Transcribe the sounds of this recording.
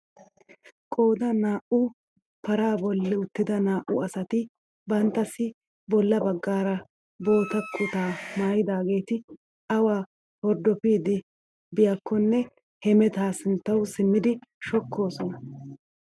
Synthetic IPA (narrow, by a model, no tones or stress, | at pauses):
kʼo̞ːd̪ɐnaːʔʊ | pɐɾaːbɔlːɪʊt̪ːɪd̪ɐnaːʔʊɐsɐt̪ɪ | bɐnt̪ːɐsɪ | bɔlːɐbɐɡːaːɾɐ | bo̞ːt̪ɐkʼːʊt̪aːnaːjɪd̪aːɡe̞ːt̪ɪ | ɐwaː | hɔɾd̪ɔpiːd̪ɪ | bɪjakʰːɔnːɛ | hɛmɛt̪aːsɪnt̪ːɐwsɪmːɪd̪ɪʃɔkʰːo̞ːsɔnɐ